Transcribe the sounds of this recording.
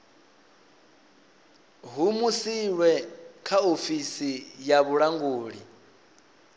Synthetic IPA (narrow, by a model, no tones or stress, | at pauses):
ɦumusiwɛkʰaofisijaβuɺaŋɡuːɺi